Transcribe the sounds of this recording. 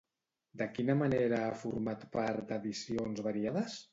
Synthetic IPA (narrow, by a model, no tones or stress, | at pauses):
d̪əkinəməneɾəafuɾmat̪paɾt̪d̪əðisionzβəɾiaðəs